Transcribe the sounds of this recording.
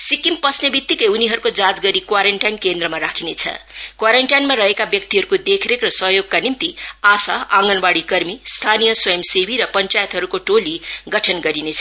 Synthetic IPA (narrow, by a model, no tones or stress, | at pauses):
sikimpʌsnebit̪ːikʌjuniɦʌɾukod͡zad͡zɡʌɾikwaɾeɳʈajnkend̪rʌmaɾakʰinet͡sʰʌ̰kwaɾeɳʈajnmaɾʌɦekabjʌk̚t̪iɦʌɾukod̪ekʰɾekrʌsʌɦjoɡ̚kanint̪iasaãŋɡʌnbaɽikʌrmist̪ʰanijʌswʌjʌmsebiɾʌpʌnt͡sajʌt̪ɦʌɾukoʈoliɡʌʈʰʌnɡʌɾinet͡sʰʌ